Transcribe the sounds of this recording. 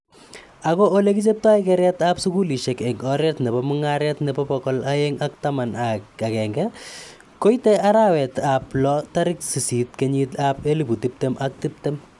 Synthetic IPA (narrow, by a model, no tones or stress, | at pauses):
akɔːlekit͡ʃep̚twaɪkɛɾjɛtapsukuliʃekɛɡɔɾjɛtnɛbɔmʊŋaɾjɛtnɛbɔpɔkɔlaeŋak̚tamanakakɛŋɡɛ | kojteaɾawɛtaplɔtaɾɪksisitkeɲitapeliputip̚temʔak̚tip̚tɛm